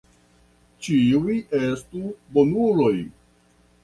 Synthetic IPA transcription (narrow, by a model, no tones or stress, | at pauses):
t͡ʃiujiʔestubonulo̞j